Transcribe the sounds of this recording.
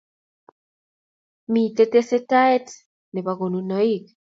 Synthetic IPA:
mi˨te˦te˦se˦ta˦e˦t | ne˨βaɣo˨nunɔ˦i˦k

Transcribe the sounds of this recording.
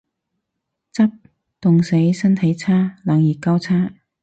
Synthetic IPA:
t͡sɐ˥p̚ | t̪ʊ˨ŋse˨˥jsɐ˥nt̪ʰɐ˨˥jt͡sʰaː˥la˨ŋjiː˨˩kɐ˥wt͡sʰaː˥

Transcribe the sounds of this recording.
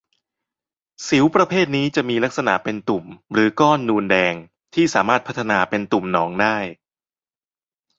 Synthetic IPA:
si˩˦wpɾa˧pʰeː˥˩t̪̚niː˦˥t͡ɕa˨˩ʔmiː˧la˦˥k̚sa˧na̰˩˦pe˧nt̪u˨˩mɾɯː˩˦kɔː˥˩nːuː˧ndɛː˧ŋ | t̪ʰiː˥˩saː˩˦maː˥˩t̪̚pʰa˦˥t̪ʰːa˧naː˧pe˧nt̪u˨˩mnɔː˩˦ŋdaː˥˩j

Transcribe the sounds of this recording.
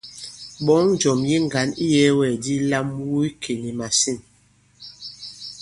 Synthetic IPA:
ɓɔ˨˦ŋ˨d͡ʒɔ˨mji˦ŋ˨ɡa˨˦ni˦jɛ˦wɛ˨di˦la˦mwu˦i˦kʰe˨ni˨ma˨si˦˨n

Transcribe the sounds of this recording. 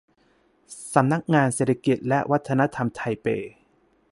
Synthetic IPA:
sa˩˦mna˦˥k̚ŋaː˧nseː˨˩t̪ʰa˧ki˨˩t̪̚lɛ˦˥ʔwa˦˥t̪ʰːa˧na˦˥t̪ʰa˧mt̪ʰa˧jpeː˧

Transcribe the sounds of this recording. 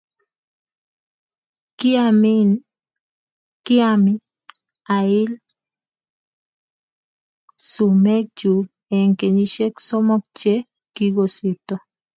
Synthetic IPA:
k | ki˦ami˦ | a˨i˦l | su˨me˦k̚d͡ʒu˨ | ɛ˨ŋke˨ɲi˦ʃe˦ksɔ˦mɔ˦k̚t͡ʃe˦ | ki˦ɡo˨se˨t̪ɔ˦

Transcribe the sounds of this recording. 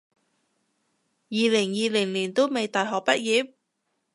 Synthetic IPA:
jiː˨˧lɪ˨˩ŋjiː˨lɪ˨˩ŋliː˨˩nt̪o˥wme˨jt̪aː˨tɦɔː˨k̚pɐ˥t̚jiː˨˥p̚

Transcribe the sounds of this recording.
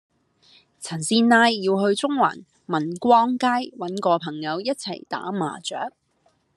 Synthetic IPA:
t͡sʰɐ˨˩nsiː˧nnaː˧jːiː˧wɦɵ˧ɥt͡sʊ˥ŋwa̰ː˨˩n | mɐ˨˩nkʷɔː˥ŋkaː˥jwɐ˨˥nkɔː˧pʰɐ˨˩ŋjɐ˨˧wjɐ˥t̚t͡sʰɐ̰˨˩jt̪a̰ː˨˥ma̰ː˨˩t͡sœː˨˥k̚

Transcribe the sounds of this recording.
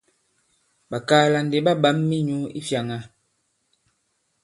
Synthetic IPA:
ɓa˨kaː˦la˨n˨de˨ba˦ba˦mːi˦ɲu˦ḭ˦fja˨ŋa˨

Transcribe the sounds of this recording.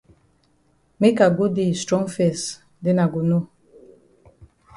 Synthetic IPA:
me˦ka˨ɡo˦di˨stɾɔ˦ŋfɛ˨s | de˦na˨ɡo˨no˦

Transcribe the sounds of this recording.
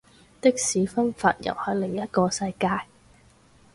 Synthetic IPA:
t̪ɪ˥k̚siː˨˥fɐ˥nfa̰ː˧t̚jɐ̰˨˩whɵ˨˥ɥlɪ˨˩ŋjɐ˥t̚kɔː˧sɐ˧jkaː˧j

